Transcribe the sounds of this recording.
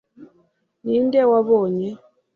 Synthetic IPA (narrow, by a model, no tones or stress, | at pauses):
nindɛwaβɔɲɛ